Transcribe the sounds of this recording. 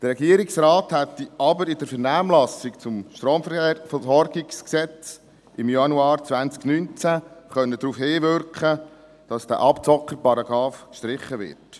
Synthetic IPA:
d̥əɾɛɡiəɾɪksraːthɛt̪ːiʔɑbəɾɪdəɾfəɾnæːmlɑsɪkt͡sʊmʃtɾɔːfəsɔɾɡɪksksɛt͡s | ʔɪmjɑnuɑːɾt͡sʋænt͡sknynt͡sæχœnːədɾuːfheːvʏɾkχə | d̥ɑsd̥æ̰ʔɑpt͡sɔkːəɾpɑɾɑɡɾɑːfʃtɾɪχːəʋɪ̰ɾt

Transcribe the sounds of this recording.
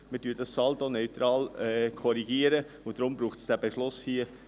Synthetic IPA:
mɪdyːdɑsːɑld̪onœɥt̪ɾɑːlɛkʰɔɾiɡiːəɾə | ʊd̥̪ɾʊmbɾuːχtsd̥æbeʃlʊshiə

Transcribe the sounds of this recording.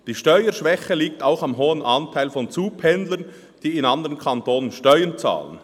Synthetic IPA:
d̥iːʃtœʏəʃʋɛçəliːk̚taʊxɑmɦoːənʔɑntʰaɪlfɔnt͡suːpʰɛndlən | d̥iːɪnɑnd̪əʁənkʰantoːnənʃtœʏənt͡sa̰ːlən

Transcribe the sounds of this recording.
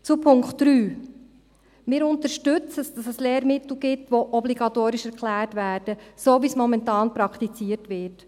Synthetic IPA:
t͡supʰʊŋkχtɾyː | mɪːɾʊntəɾʃtʏt͡səsd̥ɑsəsleːɾmɪtl̩ɡɪtʋoʔɔbliɡɑtoːɾɪʃɛɾklæːɾtʋæːɾd̥əsoːʋismɔmɛntɑːnpɾɑktit͡siətʋɪɾt

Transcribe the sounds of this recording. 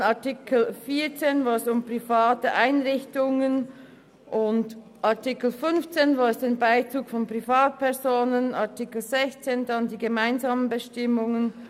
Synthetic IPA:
aɐtikl̩fiːɐt͡seːnvaːɛsʊmpʁ̥ifaːtəʔaɪnʁɪçtʊŋən | ʔʊnd | ʔaɐtɪkl̩fʏnft͡seːnvaːɛsd̥anbaɪt͡suːkfɔnpʁ̥ifaːt̚pʰɛɐzoːnənaɐtʰikl̩zɛçt͡seːndandiːɡəmaɪnzaːmənbəʃtɪmʊŋən

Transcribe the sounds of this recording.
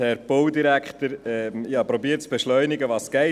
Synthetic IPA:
hɛɾpɔwd̪iɾækχt̪əɾɛmjɑːpɾobiːɾt͡sb̥eʃlœʏnɪɡəʋɑsɡ̥ɛ

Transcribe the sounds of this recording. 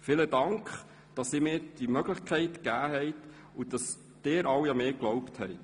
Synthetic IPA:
fɪlədɑŋkχ | d̥ɑsɪːmɪːɾd̥imœɡləχkʰɛɪtkæːɦɛɪt | ud̥ɑs | d̥eːɾɑwjɑmeːɡ̥lɔwpthɛɪ

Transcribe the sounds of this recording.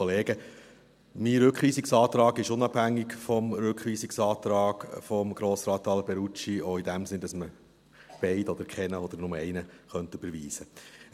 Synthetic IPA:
oleːɡə | miɾʏkχʋiːsiksɑːt̪ɾɑːɡɪʃʊnɑb̥hæŋːiɡfɔmɾʏkχʋiːsiksɑːt̪ɾɑːɡ̥fɔmɡ̥ɾoːsɾɑːt̪ːɑːlbɛɾut͡ʃioidæmsɪnd̥̪ɑsmə | b̥ɛɪdɔd̪əɾkχɛnəɔd̪əɾnʊməɛɪnəχœnt̪ʉb̥əɾʋiːsə

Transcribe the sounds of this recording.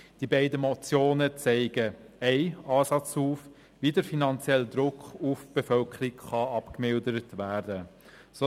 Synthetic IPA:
d̥ibɛɪdəmɔt͡sjoːnət͡sɛɪɡə | ɛɪɑːsɑt͡shuːf | ʋiːdəɾfinɑnt͡sjɛld̪ɾʊkχufb̥efœlkʰəɾikχɑɑpkmɪldəɾətʋæːɾdə | so

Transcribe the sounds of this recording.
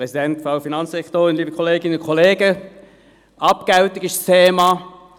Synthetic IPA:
ʁɛsidɛntfʁaʊfinɑnsɛktoːʁɪnliːbəkʰoleːɡɪnʊnkʰoleːɡə | ʔɑpɡ̥aʊtɪɡɪstʰeːmɑ

